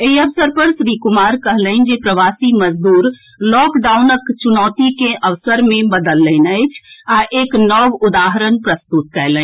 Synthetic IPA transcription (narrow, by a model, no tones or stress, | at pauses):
eiəʋsəɾpəɾsɾikumaɾkəɦləɪnd͡ʒepɾəʋasiməd͡ʒd̪uːɾ | lɔkɖaunəkt͡ʃunɔːt̪ikeʔəʋsəɾmebəd̪əlːənəɪt͡ʃʰaʔeknɔʋud̪aɦəɾənpɾəst̪ut̪̚kɛɪlən